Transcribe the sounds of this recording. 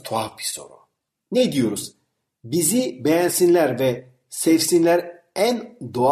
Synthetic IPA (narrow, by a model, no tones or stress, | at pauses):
t̪ʰuavbiso̰ɾṵ | nɛd̪ijoɾuz̥ | bizibɛjænsinlʲæɾvɛ | sɛvsinlʲæɾ | ænd̪o